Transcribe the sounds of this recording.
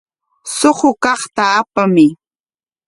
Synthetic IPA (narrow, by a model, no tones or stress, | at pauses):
soχʊkɑχt̪aːpamɪ